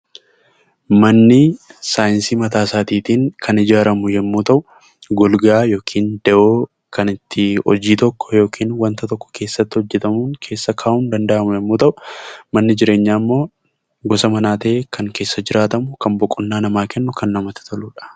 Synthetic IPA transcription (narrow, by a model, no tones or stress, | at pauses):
mɐnːɪsaːjɪnsiːmɐt̪aːsaːt̪iːt̪iːŋkʰɐnɪd͡ʒaːɾɐmʊjɛmːuːt̪ɐʔʊ | ɡɔlɡaːjo̞ːkʰiːnd̪ɛʔoː | kɐnɪt̪ːɪɔ̰d͡ʒiːt̪ɔkːɔ̥jo̞ːkʰiːnwɐnt̪ɐt̪ɔkːɔ̥kʰe̞ːsːɐt̪ːɪhɔd͡ʒːɛt̪ɐmuːŋkʰe̞ːsːɐkʰaːʔuːnd̪ɐnd̪ɐʔɐmʊjɛmːuːt̪ɐʔʊmɐnːɪd͡ʒɪɾe̞ːɲːaːmːo̞ː | ɡɔsɐmɐnaːt̪ɐʔeːkʰɐŋke̞ːsːɐd͡ʒɪɾaːt̪ɐmʊkɐmbɔkʼːʊnːaːnɐmaːkɛnːʊkɐnːɐmɐt̪ɪ̥t̪ʰɐluːᶑɐ̥